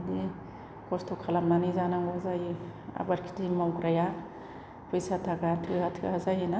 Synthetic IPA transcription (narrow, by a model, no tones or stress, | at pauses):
di | kɔstʰokʰalamnanizanaŋɡazaja̰baɾkʰi̥timawɡɾaja | pʰɔjsatʰaɡatʰɯatʰɯazajena